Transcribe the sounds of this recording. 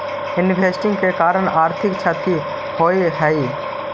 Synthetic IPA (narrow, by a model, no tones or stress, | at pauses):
ɪnbʱeːsʈɪ̃ŋɡkekaːɾəɽaːɾt̪ʰɪkt͡ʃʰat̪i | hoeɦɛi